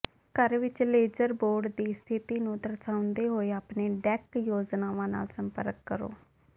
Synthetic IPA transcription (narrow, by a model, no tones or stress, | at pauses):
kəɾʋɪt͡ʃleːd͡ʒəɾboːɾɖd̪iːst̪ʰɪt̪iːnũːd̪əɾsaːʊnd̪eːɦoːeːaːpneːɖɛːkjoːd͡ʒnaːʋãːna̰ːlsəmpə̰ɾkːəɾo̰ː